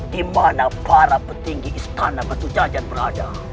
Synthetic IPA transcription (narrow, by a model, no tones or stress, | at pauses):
dimanapaɾapət̪iŋɡiʔist̪anabət̪ud͡ʒad͡ʒan̚bərada